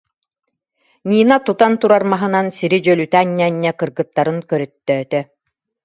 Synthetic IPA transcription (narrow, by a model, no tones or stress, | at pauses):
ɲiːnat̪ut̪ant̪uɾaɾmaɦɯnansiɾid͡ʑœlyt̪aːnːɛnːɛkɯɾɡɯt̪ːaɾɯnkœɾœt̪ːœːt̪œ